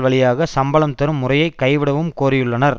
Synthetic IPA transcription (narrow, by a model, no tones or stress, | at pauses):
ʋɐɭɪjaːɣɐsɐmbɐɭɐmt̪ɐɾɯmːʊrɐjɐɪkːɐɪʋɪɽɐʋɯmkoːɾɪjɯɭːɐnɐɾ